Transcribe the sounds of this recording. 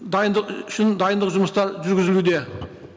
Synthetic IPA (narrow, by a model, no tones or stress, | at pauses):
d̪ɑjənd̪əqʏʃɪnd̪ɑjənd̪əqʒʊməst̪ɑɾʒʏɾɡʲɪzɪlud̪e̞